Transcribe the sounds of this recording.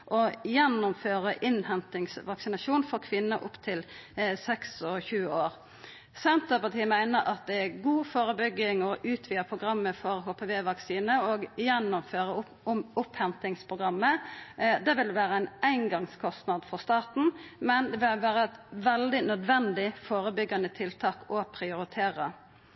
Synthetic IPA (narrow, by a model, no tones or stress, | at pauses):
ʔɔjɛnːʊmføːɾəʔɪnhɛnt̪ɪŋsʋɑksɪnɑʃuːnfɔʁkʰʋɪnːəʔʊpt̪ʰɪlsɛksɔçʉːoːɾ | sɛnt̪əpɑt̪ʰiːəmæɪnəɾʔɑt̪̚d̪ɛæɡuːfoːɾəbʏɡɪŋɔʔʉːt̪ʰʋiːəpʰʁʊɡɾɑmːəfɔɾhoːpʰeːʋeːʋɑksiːnəɔːɡjɛnːʊmføːɾəʊ | ʊmʊphɛnt̪ɪŋspʰʁʊɡʁɑmːəd̪ɛʋɪld̪ɛʋæːɾəæɪnæɪnɡɑŋskʰɔst̪nɑd̪fɔɾst̪ɑːt̪n̩mɛnd̪ɛʋɪʋæːɾəɛt̪ʋɛld̪ɪnœd̪ʋɛnd̪ɪfoːɾəbʏɡːɑnət̪ʰɪlt̪ʰɑːkɔpʰɾɪʊɾɪt̪ʰeːɾə